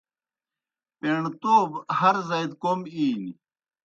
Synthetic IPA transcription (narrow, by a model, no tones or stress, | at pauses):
peɳt̪oːbhɐɾzɐjd̪komiːn